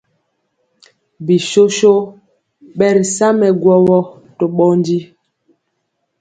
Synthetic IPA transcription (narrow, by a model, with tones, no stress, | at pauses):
bi˨ʃo˦ʃo˦ | ɓɛ˦ɾi˨sa˦mɛ˨ɡwɔ˦wɔ˦ | to˨ɓɔ˦ndi˦